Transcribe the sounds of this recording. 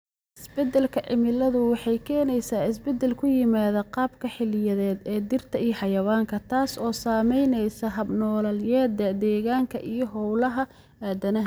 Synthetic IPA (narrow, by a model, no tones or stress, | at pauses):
ʔɪsbɛd̪ɛlkʰɐʕɪmɪlɐðʊwɑħɑjkʰɛːnɛjsaːɪsbɛd̪ɛlkʰʊjɪmaːðɐqɑːbkʰɐħɪlɪjɐðɛːd̪ɛːd̪ɪrt̪ʰɐijɐħɑjɐwaːŋkʰɐt̪ʰaːsɔːsaːmɛjnɛjsɐɦɐbnɔːlɐljɛːd̪ɐd̪ɛːɣaːŋkʰɐʔijɞɦɔwlɐɦɐ | aːd̪ɐnɐɦ